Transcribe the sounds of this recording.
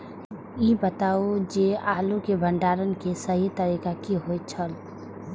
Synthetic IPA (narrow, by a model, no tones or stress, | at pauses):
ibət̪aːod͡ʒeaːlukebʱəɳɖaːɾənkesəɦit̪əɾiːkakiɦojt͡ʃʰəl